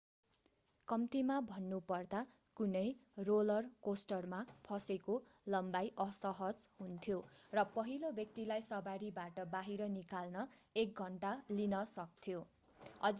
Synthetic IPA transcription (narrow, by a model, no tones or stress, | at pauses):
kʌmt̪imabʱʌnːupʌrd̪a | kunʌjrolʌrkosʈʌrmapʰʌsekolʌmbajʔʌsʌɦʌd͡zɦunt̪ʰjorʌpʌɦilobjʌk̚t̪ilajsʌbaɾibaʈʌbaɦiɾʌnikalnʌek̚ɡʱʌɳʈalinʌsʌk̚t̪ʰjo | ʌd͡z